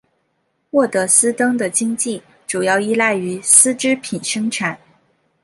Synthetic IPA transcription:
xwɔ˥˩t̪ɤ˧˥sɹ̩˥t̪ɤ˥ŋd̪ə˨t͡ɕi˥ŋt͡ɕi˥˩ | ʈ͡ʂu˨˩jɑ˥˧ʊi˥la˥˩ɪy˧˥sɹ̩˥ʈ͡ʂɻ̩˥pʰi˨˩nʂɤ˥ŋʈ͡ʂʰa˨˩˦n

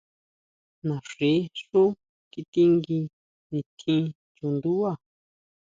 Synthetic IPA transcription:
nã˨ʂe˨˦ʂu˦ | ki˧t̪i˦ŋɡi˧ | nĩ˨˧t̪ʰĩ˦˧ | t͡ʃu˧nd̪u˦a˦˨

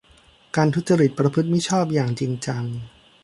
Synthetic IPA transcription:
kaː˧nt̪ʰu˦˥t̪̚t͡ɕa˧ɾi˨˩t̪̚pɾa˧pʰɯ˦˥t̪̚mi˦˥˩t͡ɕʰɔː˥˩p̬̚jaː˨˩ŋt͡ɕi˧ŋt͡ɕa˧ŋ

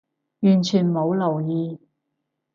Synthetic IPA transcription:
jyː˨˩nt͡ʃʰyː˨˩nmo˨˧wlɐ˨˩wjiː˨˧

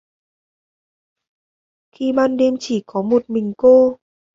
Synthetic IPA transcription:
xi˧ɓaː˧nɗɛ˧mt͡ɕi˧˩kɔ˨˦mo˨˩t̚mï˨˩ŋ̟ko˧

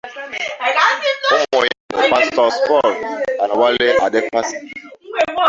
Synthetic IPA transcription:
u˦mɔ˨jo̰˨pa˦stɔ˨spɔ˦˨lã˨nwa˦le˦ʔa˨de˦pa˦st

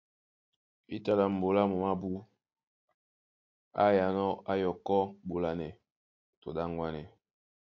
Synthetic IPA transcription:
i˦ta˨la˨m̩˨bo˨la˦mo˨ma˦bu˦ | a̰˦ja˨nɔ˦a˦jɔ˨kɔ˦bo˨la˨nɛ˨ | to˨da˦ŋ˦ɡwa˦nɛ˨

